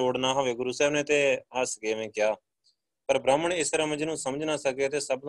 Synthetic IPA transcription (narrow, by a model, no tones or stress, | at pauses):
oːɽnãːɦaːʋeːɡʊɾuːsɛːmnẽːt̪eːəsɡeːʋẽːkɪjaː | pəɾbɾaːməɳɪst̪əɾɛ̃ːməd͡ʒnũːsəməd͡ʒnaːsəɡ̪eːt̪eːsəb̚d̪